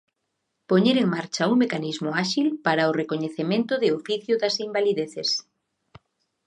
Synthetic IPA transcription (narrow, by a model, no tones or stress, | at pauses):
poɲeɾeŋmaɾt͡ʃauŋmekanizmʊaʃilpaɾaorekoɲeθemẽnt̪ʊðɪofiθjʊðasimbaliðeθes